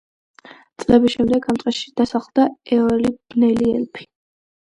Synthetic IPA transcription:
t̪sʼlɛbisʃɛmd̪ɛɡamt̪ʼɛsʃi̥d̪̥asaχlˠd̪aɛɔlib̥nɛliɛ̰lpʰi̥

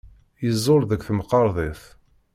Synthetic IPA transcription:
jəzˤːoɾðəkʷθəmqːɑɾˤðˤeθ

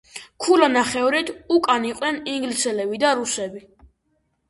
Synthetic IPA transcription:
kʰulanaχɛvɾit̪ʰukʼaniqʼnɛniŋɡlisɛlɛbid̪aɾusɛbi

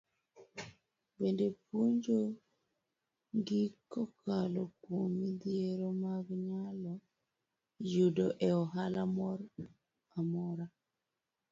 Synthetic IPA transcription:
bendepuɲd͡ʒo | ŋɡikɔkalɔkwomːid̪ieɾomaɡɲalɔ | judoʔɛɔɦalamɔɾ | amɔɾa

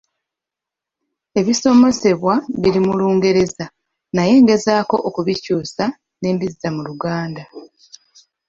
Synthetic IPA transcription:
e̞βiso̞mo̞se̞βwaβiɾimuluːŋɡe̞ɾe̞za | naje̞ːŋɡe̞zaːko̞ʔokuβicuːsa | ne̞ːmbizːamuluɡaːnda

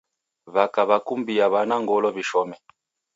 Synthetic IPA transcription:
βakaβakumbiaβanaŋɡɔlɔβiʃɔmɛ

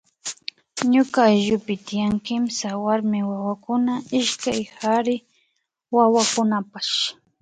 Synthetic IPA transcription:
ɲʊkaʎʊpɪt̪ɪjaŋkɪmsawaɾmɪwawakʊnaɪʃkajhaɾɪ | wawakʊnapaʃ

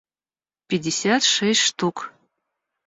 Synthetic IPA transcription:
pʲɪdʲɪsʲat̪ʂɛsʲʂt̪uk

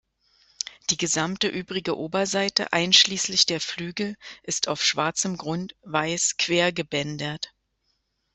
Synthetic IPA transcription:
d̥iːɡəzamtəʔyːbʁɪɡəʔoːbɐzaɪtə̰ʔa̰ɪnʃliːslɪçd̥eːɐflyːɡl̩ʔɪstʰaʊfʃv̥aɐt͡səmɡʁʊntv̥aɪskv̥eːɐɡəbɛndɐt

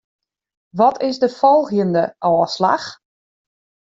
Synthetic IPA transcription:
ʋɔtʰɪsdəfɔlˠɣjəndəʔɔːsla̰x

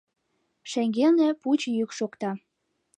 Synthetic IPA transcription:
ʃeŋɡelnĕput͡ɕjykʃokt̪ɑ

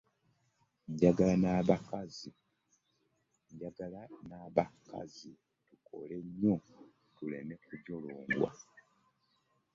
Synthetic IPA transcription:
ɲɟaɡalanaβakazi | ɲɟaɡalanaβaka̰zi | tukʰo̰le̞ɲːo | tulene̞kuɟoloːŋɡwa̰

